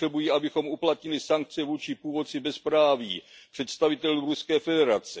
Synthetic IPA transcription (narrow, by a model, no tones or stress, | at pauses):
rɛbujiːʔabɪxo̞mʔuplat̪ɲɪlɪsaŋk̚t͡sɛvuːt͡ʃɪpuːvo̞t͡sɪbɛspɾaːviːpr̥ɛt̪st̪avɪt̪ɛluɾuskɛːfɛdɛɾat͡sɛ